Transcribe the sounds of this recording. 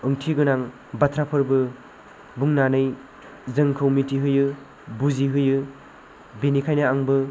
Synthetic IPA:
ɯŋtʰiɡɯnaŋ | batʰɾapʰɯɾbɯ | buŋnanɯj | zɯŋkʰowmitʰiɦɯjɯ | buziɦɯjɯ | benikʰajnaaŋbɯ

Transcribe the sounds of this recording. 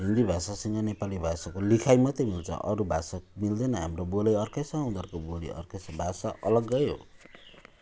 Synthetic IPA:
ɦind̪ibʱasasʌŋɡʌnepalibʱasakolikʰajmʌt̪emilt͡sʰʌ̰ʔʌɾubʱasamild̪ʌnʌɦamrobolʌjʌrkesʌɦũd̪ʌrkobolḭʔʌ̰rkesʌbʱasaʔʌlʌɡːʌjo̰

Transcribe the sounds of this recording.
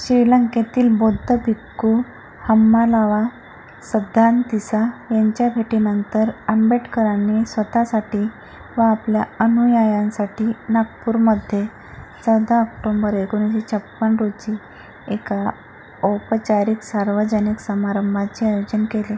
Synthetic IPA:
ɕɾiləŋket̪iːlbod̪ʱəbʱikːu | həmːalaʋa | səd̪ʱant̪isajaɲt͡ɕjapʰeʈinənt̪əɾəmbeʈkəɾanesʋət̪asaʈiː | ʋaːpljaənujajãnsaʈʰiːnak̚puːɾməd̪ʱje | t͡səwd̪aək̚ʈombəɾekoniɕet͡ɕʰəpːənɾot͡ɕi | eka | ɔpət͡ɕaɾiksaɾʋəd͡ʑəniksəmaɾəmbʱat͡ɕeajod͡ʑənkele

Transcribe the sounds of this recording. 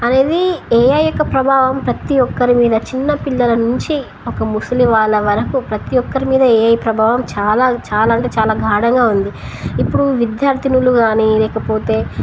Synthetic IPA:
ɐne̞ːd̪iɛːjɐjɔkːɐpɾɐbʱaːʋɐmpɾɐt̪iɔkːɐɾimiːd̪ɐt͡ʃinːɐpiɭːɐlɐnuɲt͡ʃi | ɔkɐmusuliʋaːɭːɐʋɐɾɐkupɾɐt̪iɔkːɐɾimiːd̪ɐɛːjɐjipɾɐbʱaːʋɐmt͡ʃaːlaːt͡ʃaːlaːɐɳʈeːt͡ʃaːlaːɡʱaːɽɐŋɡaːund̪i | ipːuɽuʋid̪jaːɾt̪ʰinuluɡaːnilɛːkɐpo̞ːt̪e̞ː

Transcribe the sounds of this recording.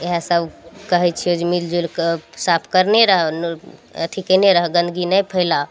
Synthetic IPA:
eɦasəbkəɦɛt͡ʃʰiod͡ʒemild͡ʒulksapʰkəɾneɾəɦɛnət̪ʰikəneɾəɦəɡə̃nd̪ɡinəjpʰəɪla

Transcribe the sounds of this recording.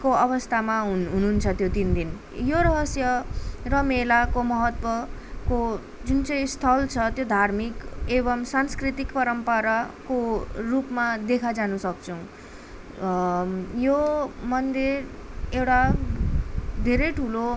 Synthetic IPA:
koʌβʌst̪ʰamaɦɦununt͡sʰʌt̪jot̪ind̪in | joɾʌɦʌsjʌrʌmelakomʌɦʌt̪wʌko | d͡zunt͡sʌj̃st̪ʰʌlt͡sʰʌt̪jod̪ʱarmikebʌmsanskrit̪ikpʌɾʌmpʌɾakorupmad̪ekʰad͡zanusʌk̚t͡sʰʌw̃ | jomʌnd̪irewʈa | d̪ʱeɾʌjʈʰulo

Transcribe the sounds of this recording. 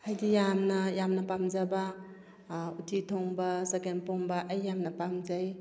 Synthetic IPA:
hajdijamnɐjamnɐpamd͡ʒaba | utʰitʰoŋbɐsekenpoŋbaʔːjːamnɐpamd͡ʒaj

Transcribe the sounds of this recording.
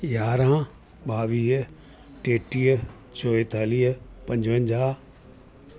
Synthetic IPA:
jaːɾã | baːʋiːɦ | ʈeːʈiːɦ | t͡ɕʰoːet̪aːliːɦpɐ̃ɲd͡ʑʋə̃ɲd͡ʑaː

